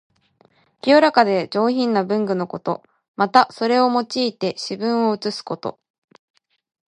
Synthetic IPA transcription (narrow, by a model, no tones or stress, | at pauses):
kʲioɾakad̪e̞d͡ʑo̞ːçĩnːabɯ̟̃ŋɡɯ̟no̞ko̞t̪o̞̰ | mat̪aso̞ɾe̞o̞mo̞t͡ɕiːt̪e̞ɕibɯ̟̃ɰ̃o̞ɯ̟t͡sɨsɨ̥ko̞t̪o̞̰